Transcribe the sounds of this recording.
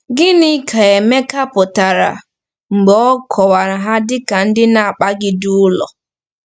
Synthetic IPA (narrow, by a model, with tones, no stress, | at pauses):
ɡɪ˦nɪ˦kʰa˨e˨me˦ka˦pʊ˨ta˨ɾa̰˨ | ŋ͡m̩˨ɡ͡bɔ˦ɔ˦kʰɔ˨wa˨ɾa˨ɦa˦dɪ˦ka˨n̩˦dɪ˦na˨a˨k͡pa˦ɡɪ˦dʊ˦ʊ˦lɔ̰˨